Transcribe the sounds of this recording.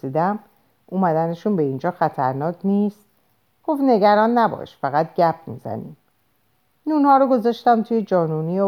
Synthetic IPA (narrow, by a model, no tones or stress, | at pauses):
iːd̪æm | ʔumæd̪æneʃunbe̞ind͡ʒɒːxæt̪ʰæɾnɒːkʰnist̪ | ɡ̥o̞ft̪ne̞ɟæɾɒːnːæbɒ̰ʃfæɣæt̪̚ɟæp̚ʰmḭːzæ̰nḭːm | nuːnhɒːɾoɡo̞zɒːʃt̪æmt̪ʰuːjed͡ʒɒːnunij